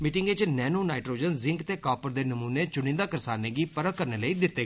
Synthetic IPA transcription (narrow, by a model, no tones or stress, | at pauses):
mɪʈɪŋɡet͡ʃnɛːnoːnaːɪʈɾoːd͡ʒənzɪ̃ŋkt̪eːkaːpəɾd̪eːnəmuːneːt͡ʃʊnĩːd̪aːkəɾsaːneːɡiːpəɾəːkəɾneːləiːd̪ɪt̪ːeː